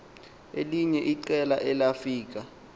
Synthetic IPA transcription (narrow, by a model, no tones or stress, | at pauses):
eliɲɛʔiǀɛlaʔɛlafiːk̬a